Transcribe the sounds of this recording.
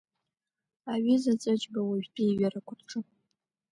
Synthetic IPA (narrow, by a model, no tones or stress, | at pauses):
aɥizat͡sʼɨt͡ʃʼbawaʒbʼijɥarakʷʰʊrʈ͡ʂʰʼɨ